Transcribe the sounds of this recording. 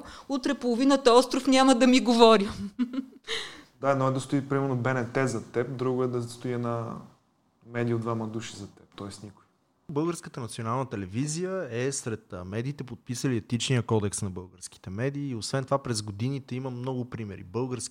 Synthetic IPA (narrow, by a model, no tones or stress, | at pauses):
ut̪ɾɛpolˠovinət̪ɐɔst̪ɾofnʲaməd̪ɐmiɡovɔɾʲə | d̪aɛd̪nɔɛd̪ɐst̪ʊipɾimɛɾnobɛnɛt̪ɛzɐt̪ɛp̚d̪ɾuɡʊɛd̪ɐst̪ʊiɛna | mɛd̪ijəod̪vamɐd̪uʃi̥zɐt̪ɛp̚t̪ɔɛsnikʊi | bɤlˠɡəɾskət̪ənɐt̪sionalˠnət̪ɛlɛvizijəɛsɾɛt̪mɛd̪iːt̪ɛpot̪̚pisəliɛt̪it͡ʃniəkɔd̪ɛksnɐbɤlˠɡəɾski̥t̪ɛmɛd̪iːosvɛnt̪ovapɾɛzɡod̪init̪ɛiməmnɔɡʊpɾimɛ̰ɾḭbɤlˠɡəɾsk